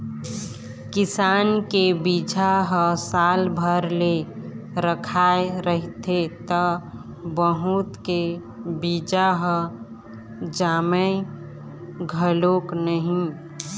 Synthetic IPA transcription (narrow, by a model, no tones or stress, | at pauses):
kɪsaːnkebid͡ʒʱaɦə̃saːlbʱəɾleɾəkʰaeɾəɦit̪ʰet̪ə | bəɦut̪ke | bid͡ʒaɦə̃ | d͡ʒaːmə | ɡʱəloknəɦĩ